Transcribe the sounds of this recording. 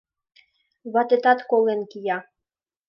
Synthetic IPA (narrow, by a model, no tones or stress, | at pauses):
βɑt̪et̪ɑt̪kolenkijɑ